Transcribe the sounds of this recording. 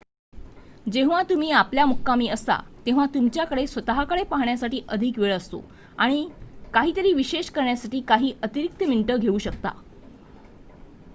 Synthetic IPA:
d͡ʑeʋ̤at̪um̤iːapljamukːamiːəsa̰t̪ẽʋ̤at̪umt͡ɕjakəɽesʋət̪əɦakəɭepaɦɳjasaʈiːʔəd̪ʱikʋeɭəst̪o̰ | aɽ̃ikaɦiːt̪əɾiːʋiɕeɕkəɾɳjasaʈiːkaɦiːʔət̪iɾik̚t̪əmiɳʈəɡʱeuːɕək̚t̪a̰

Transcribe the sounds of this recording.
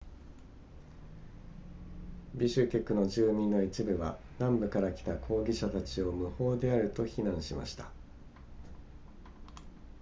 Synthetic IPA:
bʲiɕɨkʲe̞kːɯ̟no̞ʑɨːmʲĩnːo̞it͡ɕibɯ̟βa̰ | nãmbɯ̟kaɾakʲi̥t̪akʰo̞ːɡʲiɕat̪at͡ɕio̞mɯ̟ho̞ːd̪e̞aɾɯ̟t̪o̞çinãɰ̃ɕima̰ɕi̥t̪ḁ

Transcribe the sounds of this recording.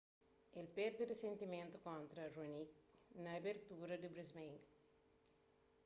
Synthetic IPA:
elpeɾd̪ɐɾɐsent̪iment̪ukoːnt̪ɾɐɾonik̚nɐbeɾt̪uːɾɐɖibɾismeiŋɡ

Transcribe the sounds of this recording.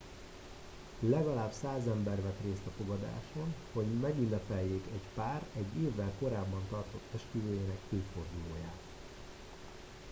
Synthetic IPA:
lɛɡɒlaːbsaːzɛmbɛrvɛt̪reːst̪ɒfo̞ɡɒd̪a̰ːʃonho̞ɟmɛɡynːɛpɛlːeːkɛɟpaːrɛɟːeːvːɛlko̞ɾaːbːɒnt̪ɒrt̪o̞t̪ːɛʃkyvøːjeːnɛkøːfo̞rd̪uloːjaːt̪

